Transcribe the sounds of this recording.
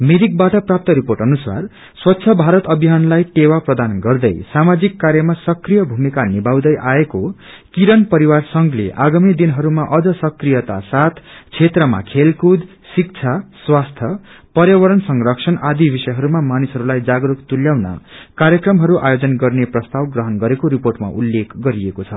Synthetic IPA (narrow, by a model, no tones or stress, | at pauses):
mid̪ik̚baʈʌprap̚t̪ʌɾiporʈʌnusa̰r | swʌtːsʰʌbʱaɾʌt̪ʌbʱiɦanlajʈewaprʌd̪anɡʌrd̪ʌjsamad͡zikːaɾjʌmasʌkrijʌbʱumikanibʱaw̃d̪ʌjʔaeko | kiɾʌnpʌɾiwarsʌŋɡlḛʔaɡamid̪inɦʌɾumaʔʌd͡zʌsʌkrijʌt̪a̰sat̪ʰt͡sʰet̪rʌma̰kʰelkud̪ | sik̚t͡sʰaswast̪ʰjʌ | pʌɾjʌwʌɾʌnsʌŋɡrʌksʰʌnad̪ibʱisʌjɦʌɾumamanisɦʌɾulajd͡zaɡɾukt̪uljawna̰kaɾjʌkrʌmɦʌɾuʔa̰jod͡zʌnɡʌrneprʌst̪awɡrʌɦʌnɡʌɾekoɾiporʈma̰ʔulːekɡʌɾiekot͡sʰʌ